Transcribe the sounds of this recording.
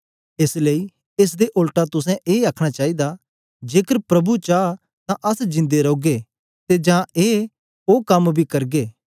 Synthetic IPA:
ɪslei | es̬d̪eʔʊlʈat̪ʊs̬ɛ̃ʔeːaːkʰɽ̃at͡ʃaːid̪a | d͡ʒeːkəɾpɾɐbut͡ʃaː | t̪ãʔɐsd͡ʒɪ̃nd̪eɾoːɡe | t̪ed͡ʒãeː | oːkɐmbʱikɐɾɡeː

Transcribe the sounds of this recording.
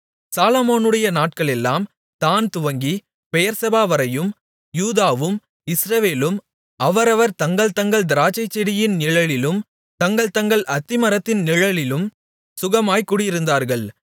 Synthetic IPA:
saːlɐmoːnɯɽɐjɐnaːʈ̚kɐɭɛlːaːm | t̪aːnt̪ʊʋɐŋɡi | pɛjɐɾsɐbaːʋɐɾɐjɯm | juːðaːʋɯm | ɪsɾɐʋeːlɯm | ʔɐʋɐɾɐʋɐɾt̪ɐŋɡɐɭt̪ɐŋɡɐɭd̪ɪɾaːt͡ʃɐɪt͡ʃːɛɽɪjɪnnɪɻɐɭɪlɯm | t̪ɐŋɡɐɭt̪ɐŋɡɐɭʔɐt̪ːɪmɐɾɐt̪ːɪnnɪɻɐɭɪlɯm | sʊɣɐmaːjkːuːɽɪjɪɾɯnd̪aːɾɣɐɭ

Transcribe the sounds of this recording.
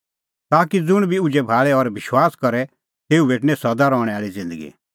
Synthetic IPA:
t̪aːkid͡zʊɽ̃bʱiʊd͡ʒɛbʱaːɭɛɔɾbɪʃwaːskɔɾɛ | t̪eːubeːʈnɛ̃sɐd̪aɾɔːɽ̃ɛ̃aːɭid͡zɪ̃nd̪əɡḭ

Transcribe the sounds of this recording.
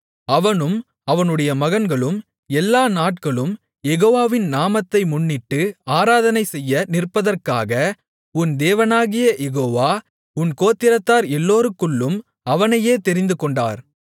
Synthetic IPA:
ɐʋɐnɯm | ɐʋɐnɯɽɐjɐmɐɣɐnɡɐɭɯm | ɛlːaːnaːʈ̚kɐɭɯm | jɛɣoːʋaːʋɪnnaːmɐt̪ːɐɪmʊɳːɪʈːɯaːɾaːðɐnɐɪsɛjːɐnɪrpɐðɐrkaːɣɐ | ʊnd̪eːʋɐnaːɣɪjɐjɛɣoːʋaː | ʊnkoːt̪ːɪɾɐt̪ːaːɾɛlːoːɾɯkːɯɭːɯm | ɐʋɐnɐjeːt̪ɛɾɪnd̪ɯkɔɳɖa̰ːɾ

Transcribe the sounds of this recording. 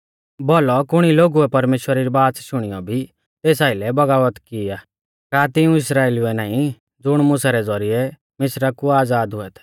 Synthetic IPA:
bɔːlɔkʊɽ̃iloːɡuɛpɐɾmeːʃwəɾiɾibaːsʃʊɽ̃ijɔbʱi | t̪eːsaːilɛbɐɡaːʋət̪kiaː | kaːt̪ɪũɪsɾaːeːluɛnãːĩ | d͡zʊɽ̃mʊ̃saɾɛd͡zɔɾiɛ | mɪsɾakuaːd͡zaːd̪ɦʊɛt̪ʰɛ̥

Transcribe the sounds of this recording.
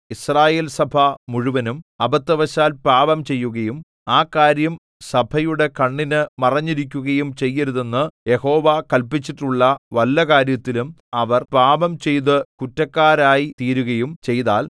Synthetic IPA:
israːje̞ːlsɐbʱɐmuɻuʋɐnumɐbɐt̪ːɐʋɐɕaːlpaːbɐmt͡ɕe̞jːuɣɐjum | aːkːaːɾjɐm | sɐbʱɐjuɽe̞kɐɳːinɨmɐrɐɲːiɾik̬ʲːuɣɐjumt͡ɕe̞jːɐɾuðe̞nːɨje̞ho̞ːʋaːkɐlpit͡ɕːiʈːuɭːɐʋɐlːɐkaːɾjɐt̪ːilum | ɐʋɐrpaːbɐmt͡ɕe̞jt̪̬ɨkutːɐkːaːɾaːjit̪iːɾuɣɐjumt͡ɕe̞jt̪aːl

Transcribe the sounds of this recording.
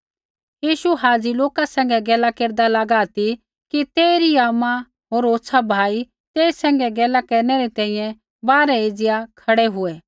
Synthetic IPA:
jiːʃuɦaːd͡ziloːkasɛ̃ːŋɡɛɡɛːlakeːɾd̪alɐɡaːt̪i | kit̪eːɾiaːma | ɦoːɾoːtsʰabʱaːi | t̪eːsɛ̃ːŋɡɛɡɛːlakɐɾnɛɾit̪ɛ̃ːĩjɛ̃ | baːɾɛed͡zɪjakʰɐɽɛɦʊɛ

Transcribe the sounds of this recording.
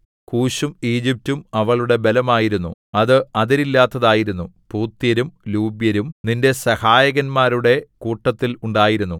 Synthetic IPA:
kuːɕumiːd͡ʑip̚tumɐʋɐɭuɽe̞belɐmaːjiɾunːṵɐðɨɐðɐɾilːaːt̪ːɐðaːjiɾunːupuːt̪ːjɐɾumluːbjɐɾumninde̞sɐhaːjɐɣɐnmaːɾuɽe̞kuːʈːɐt̪ːiluɳɖaːjiɾunːu

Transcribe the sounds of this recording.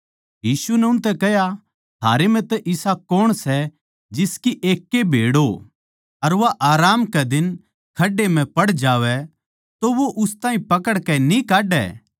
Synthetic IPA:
jiːsunɛʊnt̪̬ɛkɛɦja | t̪ʰa̰ːɾem̤ɛ̃t̪ɛʔɪsakoːɽ̃sɛ | d͡ʒɪskiʔeːkːebʱḛːɽo | ɐɾʋaʔaːɾaːmkɛd̪ɪn | kʰɐɖːem̤ɛ̃pɐɽd͡ʒaːʋɛ | t̪oʋoʔʊst̪aːĩpɐkəɽkɛnikaːɖɛ̰ː

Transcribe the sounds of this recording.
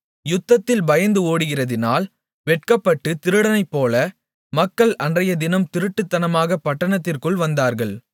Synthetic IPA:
jʊt̪ːɐt̪ːɪlbɐjɐnd̪ɯoːɽɯɣɪrɐðɪnaːl | ʋɛʈ̚kɐpːɐʈːɯt̪ɪɾɯɽɐnɐɪpːoːlɐ | mɐkːɐɭɐndrɐjɐd̪ɪnɐmt̪ɪɾɯʈːɯt̪ːɐnɐmaːɣɐpɐʈːɐɳɐt̪ːɪrkɯɭʋɐnd̪aːɾɣɐɭ

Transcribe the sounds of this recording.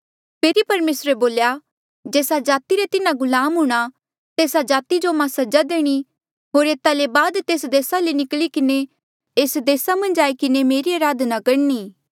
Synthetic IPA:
pʰeːɾipɐɾmeːsɾeboːlja | d͡ʒeːsad͡ʒaːt̪iɾet̪ɪnãɡʊlaːmɦʊɽ̃a | t̪eːsad͡ʒaːt̪id͡ʒomãsɐd͡ʒad̪eːɽ̃i | ɦoːɾeːt̪alebaːd̪t̪eːsd̪eːsalenɪklikɪne | eːsd̪eːsamɐ̃nd͡ʒaːikɪnemeːɾiaːɾaːd̪nakɐɽniː

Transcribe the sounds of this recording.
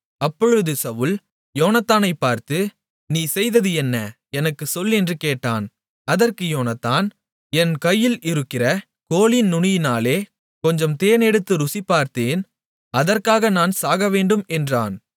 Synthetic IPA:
ɐpːɔɻɯðɯsɐʋɯl | joːnɐt̪ːaːnɐɪpːaːɾt̪ɯ | niːsɛjðɐðɯɛnːɐ | ɛnɐkːɯsɔlːɛndrɯkeːʈːa̰ːn | ɐðɐrkɯjoːnɐt̪ːaːn | ɛnkɐjːɪlɪɾɯkːɪrɐ | koːlɪnnʊɳɪjɪnaːleː | kɔɲd͡ʒɐmt̪eːnɛɽɯt̪ːɯɾʊsipːaːɾt̪eːn | ɐðɐrkaːɣɐnaːnsaːɣɐʋeːɳɖɯmɛndra̰ːn

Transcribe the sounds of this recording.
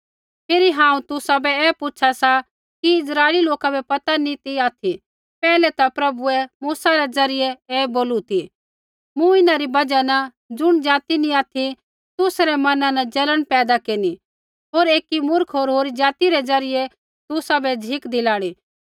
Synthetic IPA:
pʰeːɾiɦãːũt̪ʊsabɛɛːpʊt͡ʃʰasa | kiɪsɾaːɪliloːkabɛpɐt̪anĩt̪iaːt̪ʰi | pɛːlɛt̪apɾɐbuɛmuːsaɾɛd͡zɐɾɪjɛɛːboːlut̪ʰi | mũɪnaɾibɐd͡ʒanɐ | d͡ʒʊɽ̃d͡ʒaːt̪inĩaːt̪ʰi | t̪ʊsɾɛmɐnãnɐd͡ʒɐləɽ̃pɛːd̪akeːni | ɦoːɾeːkimʊɾkʰɦoːɾɦoːɾid͡ʒaːt̪iɾɛd͡zɐɾɪjɛ | t̪ʊsabɛd͡ʒʱɪkd̪ɪlaːɽ̃iː

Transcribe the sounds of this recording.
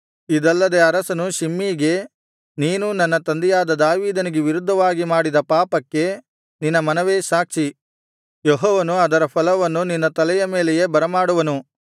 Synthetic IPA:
id̪ɐlːɐd̪e̞ɐɾɐsɐnuʃimːiːɡe̞ | niːnunɐnːɐt̪ɐnd̪ijaːd̪ɐd̪aːʋiːd̪ɐniɡeʋiɾud̪ʱːɐʋaːɡimaːɽid̪ɐpaːpɐkːe̞ | ninːɐmɐnɐʋeːʃaːkʂi | jɔɦɔːʋɐnuɐd̪ɐɾɐpʰɐlɐʋɐnːuninːɐt̪ɐlɛjɐmeːlɛje̞bɐɾɐmaːɽuʋɐnu

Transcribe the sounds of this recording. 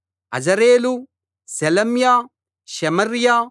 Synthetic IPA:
ɐ̰d͡ʒɐɾeːlu | selɐmjaː | ʃɐmɐɾjaː

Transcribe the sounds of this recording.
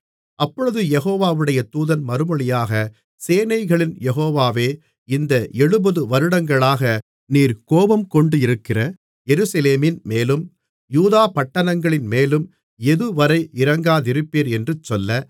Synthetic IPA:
ʔɐpːɔɻɯðɯjɛɣoːʋaːʋɯɽɐjɐt̪uːðɐnmɐɾɯmɔɭɪjaːɣɐ | seːnɐɪɣɐɭɪnjɛɣoːʋaːʋeː | ɪnd̪ɐʔɛɻɯbɐðɯʋɐɾɯɽɐŋɡɐɭaːɣɐ | niːɾkoːʋɐmkɔɳɖɯɪɾɯkːɪrɐ | jɛɾɯsɐleːmɪnmeːlɯm | juːðaːpɐʈːɐnɐŋɡɐɭɪnmeːlɯm | ɛðɯʋɐɾɐɪʔɪɾɐŋɡaːðɪɾɯpːeːɾɛndrɯt͡ʃːɔlːɐ

